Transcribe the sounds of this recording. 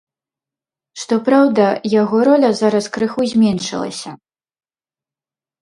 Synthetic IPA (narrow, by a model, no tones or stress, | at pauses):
ʂt̪ɔpɾawd̪ɐjaɣɔɾɔlʲɐzaɾɐskɾɨxuzʲmʲɛnʂɨ̰lˠɐ̰sʲɐ